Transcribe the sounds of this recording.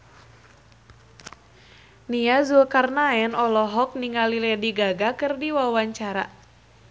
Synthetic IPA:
niazulkarnaɛnɔlɔɦɔk̚niŋalilɛdiɡaɡakɨrdiwawaɲt͡ʃaɾa̰

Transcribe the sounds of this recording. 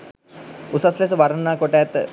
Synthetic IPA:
usasles̬əʋaɾənːaːkoʈaːt̪

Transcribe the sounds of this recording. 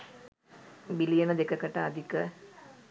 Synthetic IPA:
bilijɐnɐd̪ekːɐkːɐʈːaɐd̪ʱikːɐ

